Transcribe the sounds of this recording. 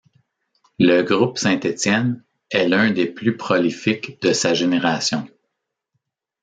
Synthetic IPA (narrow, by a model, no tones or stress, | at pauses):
ləɡʁʊpsɛ̃t̪et͡sjɛn | ɛlœ̃d̪eplypχɔlifɪkd̪əsaʒeneʁasjɔ̃